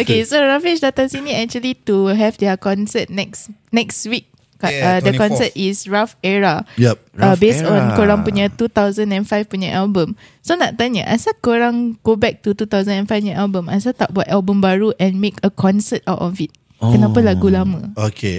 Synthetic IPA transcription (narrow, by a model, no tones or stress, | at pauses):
okesoɹafiʃdat̪ãŋsinĩɛk̚t͡ʃuəlit̪uɦɛvdɛakɔ̃nsət̚nɛksnɛkswik̚ | adəkɔ̃nsətisɹafɛɹaj | abesɔ̃nkoɹãŋpuɲat̪ut̪awzə̃nɛ̃nfajfpuɲaʔalbə̃m | sonaʔt̪aɲə̰̃ʔa̰sakoɹãŋɡ̥obɛk̚t̪ut̪ut̪awzə̃nɛ̃nfajɲãʔalbə̃ma̰sat̪aʔ̚buatɛlbəmbaɾuʔɛ̃nmekəkʰɔ̃nsət̚awtɔfit̚ | kənãpalaɡulamə̃okʰe